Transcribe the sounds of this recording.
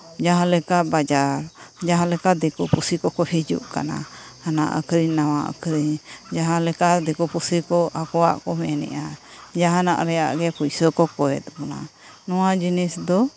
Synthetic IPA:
d͡ʒaɦãlɛkaʔbad͡ʒaɾd͡ʒaɦãlɛkad̪ɛkɔpusikɔkɔhid͡ʒṵʔka̰na̰ | ana̰ʔə̰kɾiɲnawaʔə̰kɾiɲd͡ʒaɦãlɛkad̪ɛkɔpusikɔʔakɔwa̰ʔkɔmɛnɛ̰ʔa | d͡ʒaɦãna̰ʔɾɛja̰ʔɡɛpujsəkɔkɔwɛ̰t̪̚bɔna̰ | nɔwad͡ʒinisd̪ɔ

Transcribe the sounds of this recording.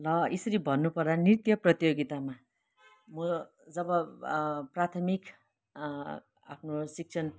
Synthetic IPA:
lʌesʌɾibʱʌnːupʌɾdanirt̪jʌprʌt̪joɡit̪ama | mʌ | d͡zʌbʌ | prat̪ʰʌmik | a̰pʰnosik̚t͡sʰʌn

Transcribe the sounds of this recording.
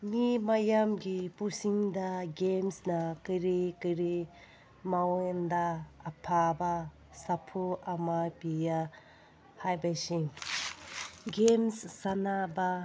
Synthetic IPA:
mimajamɡipusiŋd̪aɡemsnakiɾikiɾi | mawɔnd̪aːpʰaba | sapʰuamapija | hajbasiŋ | ɡemsːanaba

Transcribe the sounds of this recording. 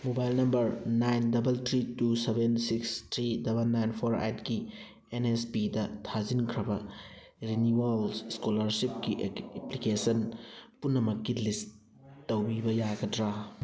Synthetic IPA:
mobajlnɐmbɐɾnajndɐbɐltʰɾitusebensikstʰɾidɐbɐlnajnpʰoɾa̰jt̚ki | enespidɐtʰazinkʰɾɐbɐ | ɾiniwalsskolɐɾsip̚kiʔeplikesɐnpunːɐmɐkːilis | tːɐwbibɐjaɡɐdɾa

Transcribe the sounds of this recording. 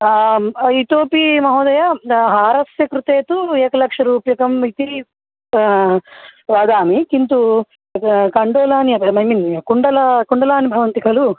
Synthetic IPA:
it̪oːpimɐɦɔːd̪ɐjaɦaːɾɐsjɐkɾut̪eːt̪uɛːkɐlɐkʂɐɾuːpjɐkɐmit̪i | ʋaːd̪aːmikint̪u | kɐɳɖoːlaːniɐɐmɐjminkuɳɖɐlɐkuɳɖɐlaːnibʱɐʋɐnt̪ikɐlu

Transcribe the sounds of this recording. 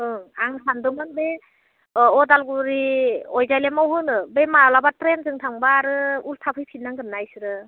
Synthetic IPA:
ɯŋaŋsandɔmɯnbe | ɔdalɡuɾiɔjzajlemawɦɯnɯbemaɾalabatɾenzɯŋtʰaŋbaɾɯultʰapʰɯjpʰitnːaŋɡɯnːajsɯɾɯ

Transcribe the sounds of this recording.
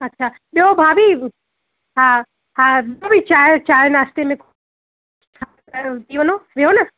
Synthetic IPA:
ɐtːʃʰa | ɓjobʱabʱi | ɦã | hãobʱit͡ʃat͡ʃaːɾnast̪emẽkʰ | a | t̪iʋənoɾiɦonɐ

